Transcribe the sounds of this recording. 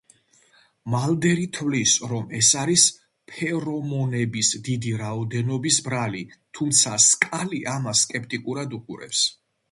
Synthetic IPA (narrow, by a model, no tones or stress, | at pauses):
mald̪ɛɾit̪ʰvlisɾɔmɛsaɾis | pʰɛɾɔmɔnɛbisd̪id̪iɾaɔd̪ɛnɔbisbɾalit̪ʰumt̪sʰaskʼaliʔamasːkʼɛp̚ʰt̪ʼikʼuɾad̪uqʼuɾɛ̰ps